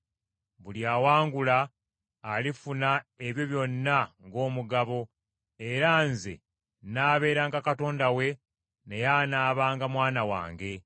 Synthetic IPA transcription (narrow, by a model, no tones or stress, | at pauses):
βuljaːwaːŋɡulaː | lifunae̞βjo̞βjo̞nːaŋɡo̞ːmuɡaβo̞ | e̞ɾanzḛ | naːβe̞ːɾaːŋɡakato̞ːndawe̞ | ne̞janaːβaːŋɡamwaːnawa̰ːŋɡe̞